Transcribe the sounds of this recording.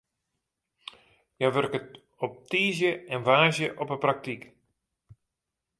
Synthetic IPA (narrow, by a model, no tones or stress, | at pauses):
jaʋørkət | ɔp̚tiːzjəɛnʋaːzjəʔɔpəprak̚tik